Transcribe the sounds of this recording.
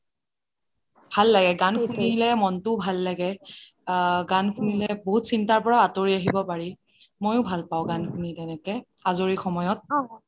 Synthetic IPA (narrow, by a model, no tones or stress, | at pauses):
bʱalːaɡɛɡankʰuniilɛmɔntʊbʱalːaɡɛ | ɡankʰunilɛboɦutsintaɹpɔɹaatoɹiaɦibɔpaɹi | mojʊ̃bʱalpaʊ̃ɡankʰunitɛnɛkɛ | azoɹixɔmɔjɔt̚a